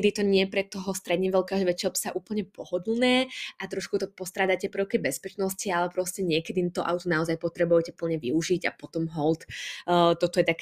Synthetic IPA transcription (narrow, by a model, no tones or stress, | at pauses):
d̪it̪ɔɲɪɛpɾɛt̪ːɔɦɔst̪ɾɛd̪ɲiʋɛlkaːʒɛʋɛt͡ʃɛlpsaʔuːpl̩ɲɛpɔɦɔd̪l̩nɛːʔat̪ɾɔʃkut̪ɔpɔst̪ɾaːd̪at̪ɛpɾəʊkibɛspɛt͡ʃnɔscialɛpɾɔscɛɲɪɛkɛd̪it̪ɔʔawt̪unaɔzajpɔt̪ɾɛbujɛcɛpl̩ɲɛʋḭuʒiɟa̰pɔt̪ɔmɦɔlˠt̪ːt̪ɔt̪ɔjɛt̪ak